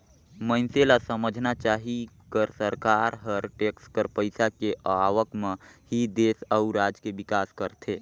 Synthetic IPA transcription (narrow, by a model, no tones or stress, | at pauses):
mənselasəməd͡ʒʱnat͡ʃaːɦi | kəɾsəɾkaːɾɦəɾʈekskəɾpəɪsakeʔəaʋəkmẽhid̪eːsəʊɾad͡ʒkebɪkaːskəɾt̪ʰe